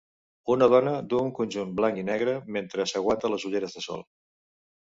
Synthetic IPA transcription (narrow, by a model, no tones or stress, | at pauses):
unəð̞ɔnəd̪uəuŋkunʲʒunblaŋinɛɣɾəment̪ɾəsəɣwat̪ələzuʎeɾəzðəsɔ̰lˠ